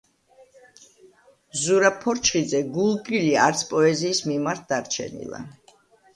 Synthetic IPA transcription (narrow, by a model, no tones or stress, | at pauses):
zuɾapʰːɔɾt͡ʃʰχid̪zɛɡulˠkʼiliaɾt̪sʰpʼɔɛziːsmimaɾt̪̚ʰd̪aɾt͡ʃʰɛ̰nḭlˠa̰